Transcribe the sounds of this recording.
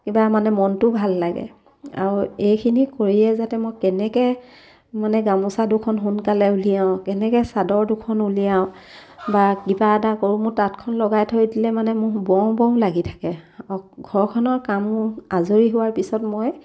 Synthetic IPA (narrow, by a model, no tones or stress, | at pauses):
kibamanɛmɔntʊbʱalːaɡɛ̰ | a̰ɹuejkʰinikoɹilɛzatɛmojkɛnɛkɛ | manɛɡamɔsadʊkʰɔnɦunkalɛulijaʊ̃kɛnɛkɛsadɔɹdʊkʰɔnulijaʊ̃bakibadakoɹumʊtatkʰɔnlɔɡajtʰojdilɛmanɛmʊɹbɔw̃bɔ̃w̃laɡitʰḁkɛɔɡʱɔɹkʰɔnɔɹkamazoɹiɦʊwaɹpisɔtmoj